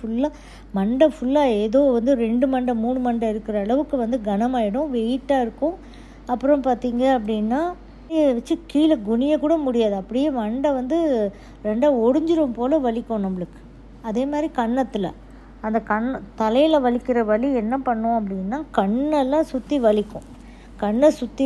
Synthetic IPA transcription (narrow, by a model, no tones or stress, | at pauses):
fʊlːaː | mɐɳɖɐfʊɭːaːeːðoːʋɐnd̪ɯɾɛɳɖɯmɐɳɖɐmuːɳɯmɐɳɖɐɪɾɯkːɪɾɐɐɭɐʋɯkːɯʋɐnd̪ɯɡɐnɐmaːjɪɽʊ̃ʋɛjɪʈːaːɪɾɯkːʊ̃ | ɐpːɯɾɐ̃mpaːɾt̪iːŋɡɐɐp̬ːɐɽɪnːaː | eʋɐt͡ʃːɯkiːlɐɡʊnɪjɐkːuːɽɐmʊɽɪjaːðɯɐpːɐɽɪjeːmɐɳɖɐʋɐnd̪ɯ | ɾɛɳɖaːɔɽɯɲd͡ʒɪɾɯmpoːlɐʋɐɭɪkʲːõnɐmbɐɭɯkːɯ̥ | ɐðeːmaːd̪ɾikɐɳːɐt̪ːɪlɐ̰ | ɐnd̪ɐkɐɳːt̪ɐlɐjɪlɐʋɐɭɪkːɪɾɐʋɐɭiɛnːɐpɐɳːʊ̃ɐp̬ːɐɽɪnːaːkɐɳːɐlːãːsʊt̪ːiʋɐɭɪkːʊ̰̃ | kɐɳːɐsʊt̪ːi